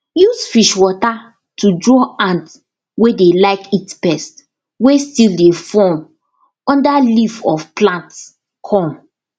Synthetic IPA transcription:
jusfiʃwɔta | tudɹɔãnt | wedelaɪkitpɛst | westildefɔm | ɔ̃ndalifɔfplãnts | kʰɔ̃m

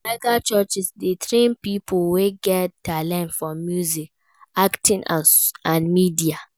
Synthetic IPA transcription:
laɡat͡ʃɔt͡ʃisdetʰɾẽnpipʰoweɡɛttʰːalɛ̃ntfɹɔ̃mːjuzik | aktʰĩna̰ãnmidia

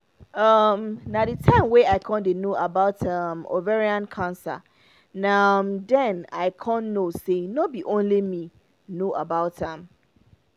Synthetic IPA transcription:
ʌmnadɨtʰãɪ̃mweaɪkʰɔ̃ndenoʔabaʊtʌmo̰veɹiãnkʰãnsa̰ | namdɛ̃naɪkʰɔ̃nːosenɔbiʔõnlimĩ | noʔabaʊtãm

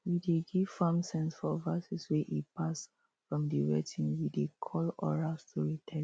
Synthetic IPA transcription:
wideɡiv̥famsɛ̃nsfɔvasuswɛʔipas | fɹɔ̃mdiɹɛtʰĩnwidekʰɔlɔ̰ɹastuɹitʰɛ

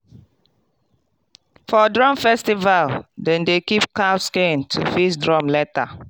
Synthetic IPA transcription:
fɔdɹɔ̃mfɛstivaldɛ̃ndekipkaskẽntʰufisdɹɔ̃mlɛta

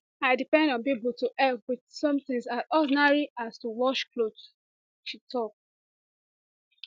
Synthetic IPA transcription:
aɪdipɛ̃ndɔ̃npibutuʔɛpwidsɔ̃mθɪ̃ŋsaʔɔdnaɹiastuwɔʃklod | ʃitʰɔk̚

